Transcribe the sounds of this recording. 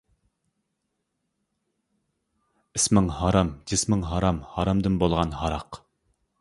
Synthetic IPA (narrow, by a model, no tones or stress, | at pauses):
ɪsmɪŋhɑɾɑmd͡ʒ̪ismɪŋɦɑɾɑmhɑɾɑmd̪ɨnbolˠʁɑnhɑɾɑq